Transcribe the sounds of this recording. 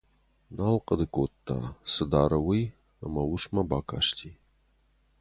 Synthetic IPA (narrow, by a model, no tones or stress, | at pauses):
nalqəd̪ɨkot̪ːa̰sɨd̪aɾɐwɨj | a̰mawuʂmabaka̰ʂt̪ʲʰi